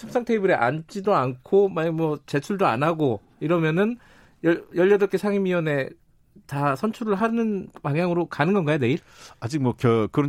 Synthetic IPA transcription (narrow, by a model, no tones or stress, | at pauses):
t͡ɕʰʌms͈ʰaŋtʰebɯɾeʔa̰nt͡ɕ͈idoankʰomaɲmwʌt͡ɕe̞t͡ɕʰuɭdoa̰naɡo | iɾʌmjʌnɯn | jʌjʌʎːʌdʌk͈esʰaŋimiʌne̞ | tasʰʌnt͡ɕʰuɾɯɭɦanɯnpaŋjaŋɯɾokanɯnɡʌnɡajoneiɾ | ad͡ʑik̚mwʌkjʌkɯɾʌ